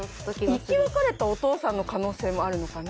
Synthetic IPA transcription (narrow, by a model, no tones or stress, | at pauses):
ikʲiβakaɾe̞t̪ao̞t̪o̞ːsãnːokano̞ːse̞ːmo̞aɾɯ̟no̞kan